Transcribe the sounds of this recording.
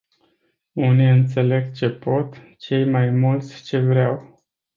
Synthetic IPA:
uniɨnt̪se̞le̞ɡt͡ʃe̞po̞t̪ | t͡ʃe̞jmajmult̪sʲt͡ʃe̞vɾeaw

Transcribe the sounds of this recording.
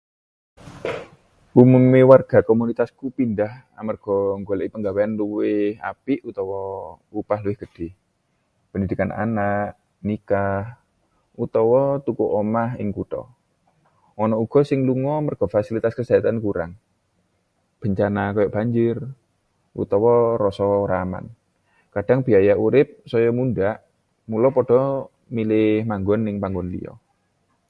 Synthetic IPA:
ʔumumiwarɡ̥a̤komunit̪askupindah | a̰marɡ̥ɔŋɡolɛʔipəŋɡaweanluwɪhha̰piʔut̪ɔwɔ | upahluwɪhɡ̥əd̥eh | pəndid̪̥i̤kanʔa̰naʔ | nikah | ut̪ɔwɔt̪ukuʔomaɦɪ̰ŋkut̪ɔ̰ | ɔnɔuɡ̥ɔ̤sɪŋluŋɔmərɡ̥ɔ̤fasilit̪askəd͡ʒ̥aat̪ankuɾa̰ŋ | b̥ə̤ɲt͡ʃanakɔjɔʔb̥aɲd͡ʒɪr | ʔṵt̪ɔwɔrɔsɔɾama̰n | kaɖ̥aŋb̥iajaʔuɾɪp̚sɔjɔmunɖaʔ | mulɔpɔɖ̥ɔ̤ | milɪhmaŋɡɔnːɪŋpaŋɡɔnlḭɔ̰

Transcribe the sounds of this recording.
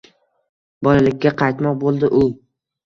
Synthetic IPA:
bɒlalɪkʲːaqʰɑjt̪mɒq̚bolˠd̪ɪʔʊ

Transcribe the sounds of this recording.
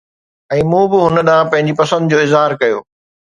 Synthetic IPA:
ɛ̃ːmũːbɪɦʊnə̆ɗãːpɐ̃ɦɪ̃ɲd͡ʑipɐsə̃nd̪d͡ʑoːɪzɦaːɾkɐjo̰ː

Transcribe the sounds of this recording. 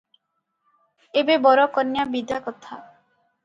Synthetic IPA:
ebebɔɾɔkɔnjabid̪akɔt̪ʰa̰

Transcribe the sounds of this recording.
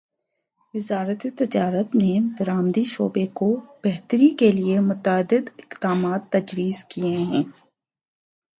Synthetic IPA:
ʋɪzaːɾət̪et̪ɪd͡ʒaːɾət̪nebɪɾaːmd̪iʃoːbekob̥ɛɦt̪əɾikeliemʊt̪əd̪ɪd̪ɪqd̪aːmaːt̪ːɐd͡ʒwiːzkieɦɛ̃ː

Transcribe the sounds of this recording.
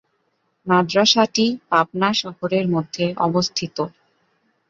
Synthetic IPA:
nad̪ɾaʃaʈipap̚naʃɔɦoɾeɾmod̪ʱːeɔ̰bost̪ʰit̪o

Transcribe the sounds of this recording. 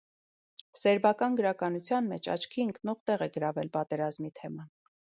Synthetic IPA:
sɛɾbɑkɑnɡəɾɑkɑnut͡sʰjɑnmɛ̰t͡ʃʰɑ̰t͡ʃʰkʰiəŋknɔʁt̪ɛʁɛɡəɾɑvɛlpɑt̪ɛɾɑzmit̪ʰɛmɑn

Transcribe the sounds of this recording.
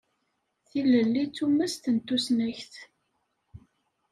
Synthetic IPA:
θilːəlːit͡sːumːæst̪ənt̪ːusnæçθ

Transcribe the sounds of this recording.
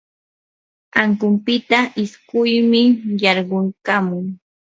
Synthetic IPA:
aŋkʊmpɪt̪aʔɪskʊjmɪjɑɾɢʊŋkamʊŋ

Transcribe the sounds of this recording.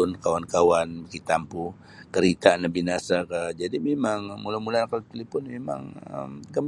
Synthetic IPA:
ʊnkawankawanbakit̪ampu | kəɾit̪anabinasakəd͡ʒadimemaŋmulamulanakalt̪ilipʊnmema̰ŋə̰mkəm

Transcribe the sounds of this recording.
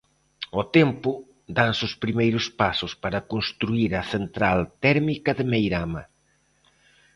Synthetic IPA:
ot̪ɛmpʊ | d̪ansʊspɾimejɾʊspasʊspaɾɐkonst̪ɾuiɾɐθent̪ɾalt̪ɛɾmikɐðɪmejɾamɐ̰

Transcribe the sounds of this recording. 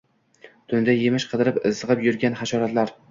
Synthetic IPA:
t̪ʰʊnd̪ajemɪʃqʰɨd̪ɪɾɪpɪzɨʁɨpjʊɾɡʲanχaʃɒɾat̪laɾ

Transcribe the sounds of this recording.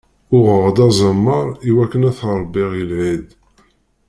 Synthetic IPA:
ʊʁəʁd̪ɑzˤəmːəɾˤiwækːənæθɾˤbːɪʁjəlʕid̪

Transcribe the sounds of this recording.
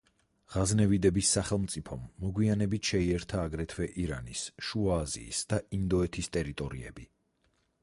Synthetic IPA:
ʁaznɛvid̪ɛbisːaχɛlˠmt̪sʼipʰɔmːɔɡwianɛbit̪ʰʃɛiɛɾt̪ʰaːɡɾɛt̪ʰwɛʔiɾa̰nisʃuaːzḭːsd̪̥aʔind̪ɔɛt̪ʰist̪ʼɛɾit̪ʼɔɾiɛ̰bi

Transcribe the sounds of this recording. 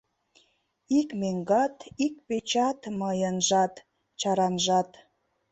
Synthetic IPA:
ikmeŋɡɑt̪ikpet͡ɕɑt̪mɤjənʒɑt̪ | t͡ɕɑɾɑnʒɑt̪

